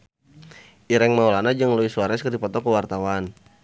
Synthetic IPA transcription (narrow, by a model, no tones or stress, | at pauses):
ʔiɾɛŋmaulanad͡ʒəŋlɔisuaɾɛskərdipɔt̪ɔkəwart̪awan